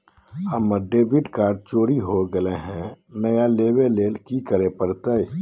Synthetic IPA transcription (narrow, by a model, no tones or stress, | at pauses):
əmːəɖebiʈkaːɾɖ̚t͡ʃoːɾiɦoɡəleɦɛ̃nəjalebeleːlkikəɾepəɾt̪əj